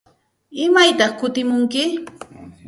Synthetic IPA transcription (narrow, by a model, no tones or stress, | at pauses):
ɪmajt̪ɑχkʊt̪ɪmʊŋkɪ